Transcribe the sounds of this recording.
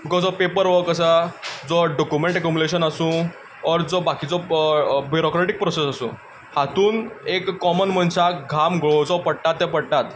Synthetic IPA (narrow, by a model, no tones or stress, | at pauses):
bikɔd͡zɔpepəɾʋəkəsad͡zɔɖɔkjumẽɳʈekumuleɕənasũː | ɔɾd͡zɔbakiːd͡zɔbuɾɔkɾeʈik̚pɾɔsesasṵ̃ː | hat̪uːnekːɔmənm̤əɳsaɡʱamɡɭod͡zɔpəɽʈ̪at̪ːɛ̃pəɽʈat̪